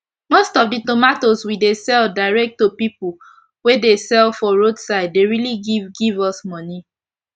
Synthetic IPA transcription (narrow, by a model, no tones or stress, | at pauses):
mostɔfditomatoswidesɛldaɪɹɛk̚tːopipl̩ | wedesɛlfɔɹodsaɪd̚ːeɹiliɡivɡivɔsmɔni